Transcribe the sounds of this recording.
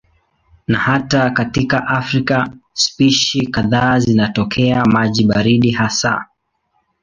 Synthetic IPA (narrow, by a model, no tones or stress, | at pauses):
nahatakatikaʔafɾikaspiʃikaðaːzinatɔkʰɛamaʄiɓaɾiɗiɦasa̰